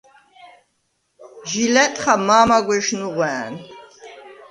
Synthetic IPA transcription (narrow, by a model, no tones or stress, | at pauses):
ʒilɛt̪ʼχamaːmaɡʷɛʃnuʁwɛn